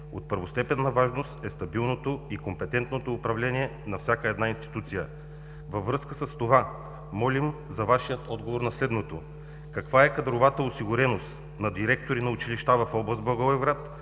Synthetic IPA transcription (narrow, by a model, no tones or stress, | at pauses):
ot̪̚pəɾvost̪ɛpɛnːɐvaʒnost̪ɛst̪ɐbilˠnot̪oikompɛt̪ɛnt̪not̪oːpɾɐvlɛnʲiɛnɐfsʲakəɛd̪nainst̪i̥t̪ut̪sijə | vɐvːɾɤskəsəst̪ova | mɔlʲimzɐvaʃijət̪ɔd̪ɡovoɾnɐslɛd̪not̪o | kɐkvaɛkɐd̪ɾovat̪əosiɡʊɾɛnost̪ | nɐd̪iɾɛk̚t̪oɾinɐʊt͡ʃiliʃt̪avɐfɔblˠɐsblˠɐɡovɛvɡɾat̪